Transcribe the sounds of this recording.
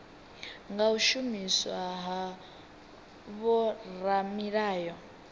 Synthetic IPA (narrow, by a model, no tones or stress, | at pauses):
ŋɡauʃumiswaɦa | βɔɾamiɺaːjɔ